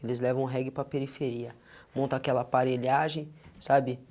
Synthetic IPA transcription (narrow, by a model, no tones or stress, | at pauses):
elɪzlɛvɐ̃w̃ɦɛɡɪpɾɐpeɾifeɾiɐ | mõnt̪ɐakɛlɐaːpaɾeʎaʒẽj̃sabɪ